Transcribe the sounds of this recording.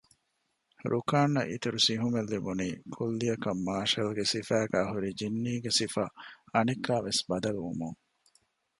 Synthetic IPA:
ɾʔukaːnːɐ̰ʔḭt̪uɾusiɦumelːibuniːkʰulːiɐkɐmːaːʃɐlɡesifæːɡæːɦuɾid͡ʒinːiːɡesifɐɐnikːaːʋesbɐd̪ɐlʋṵmuŋ

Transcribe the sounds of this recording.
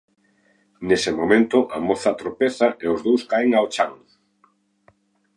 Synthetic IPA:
nesemomẽnt̪ʊʔamoθat̪ɾopeθaʔeozðowskaeŋaot͡ʃaŋ

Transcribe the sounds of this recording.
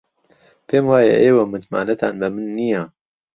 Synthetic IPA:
pʰeːmwaːjɐ̰ʔeːwɐmɨt̪ma̰ːnɐt̪ʰaːnbɐmɨnːija

